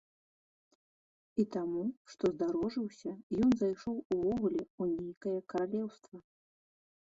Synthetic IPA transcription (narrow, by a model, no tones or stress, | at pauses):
it̪amuʂt̪ɔzd̪aɾɔʐɨwsʲɐjɔnzajʂɔwuvɔɣulʲɛunʲejkɐjɐkɐɾalʲɛwst̪vɐ